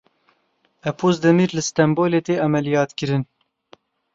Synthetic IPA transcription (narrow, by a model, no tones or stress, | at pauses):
ɛpʰoːzd̪ɛmiːɾlɨst̪ɛmboːleːt̪eːʔɑmɛlijɑːt̪kɨɾɨn